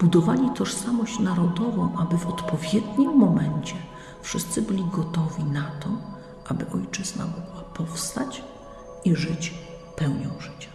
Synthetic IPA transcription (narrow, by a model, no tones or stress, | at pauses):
b̥ud̪ɔvalʲit̪ɔʂsamɔɕt͡ɕnaɾɔd̪ɔvɔ̃w̃ʔabɘvɔt̪pɔvʲjɛd̪ɲimːɔmɛɲt͡ɕɛ | fʂɘst̪sɘbɘlʲiɡɔt̪ɔvʲinat̪ɔ | ʔabɘʔɔjt͡ʂɛzna̰ɡɡwapɔfst̪at͡ɕ | iʐɘt͡ɕ | pɛwɲɔ̃w̃ʐɘt͡ɕḁ